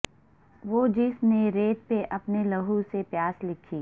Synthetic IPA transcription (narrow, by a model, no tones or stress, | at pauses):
ʋoːd͡ʒɪsneɾeːt̪̚peʔɐpnelɐɦusepjaːslɪkʰiː